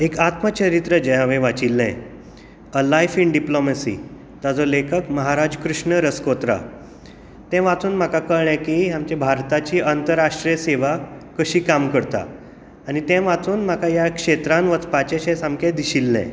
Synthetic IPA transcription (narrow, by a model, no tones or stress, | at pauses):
ekat̪mət͡ɕəɾit̪ɾəd͡ʑeɦãʋẽʋat͡ɕilːɛ̰̃ | əlajfiɳɖiplomesḭː | t̪ad͡zɔlekʰəkməɦaɾad͡ʑkɾuʂɳəɾəskot̪ɾa̰ | t̪ɛ̃ʋat͡suːnm̤akakəɭɛ̃kiɦamt͡ɕɛbʱaɾt̪at͡ɕiːʔənt̪əɾaʂʈɾijəseʋakəɕiːkamkəɽt̪a̰ː | nit̪ɛ̃ʋat͡suːnm̤akajakʂet̪ɾãnʋət͡spat͡ɕaɕɛ̃samkʰed̪iɕilːɛ̰̃